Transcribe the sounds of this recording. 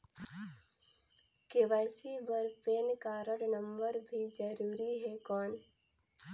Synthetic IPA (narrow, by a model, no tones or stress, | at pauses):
keʋaɪsibəɾpeːnkaɾəɽnə̃mbəɾbʱid͡ʒəɾuːɾiɦɛkɔːn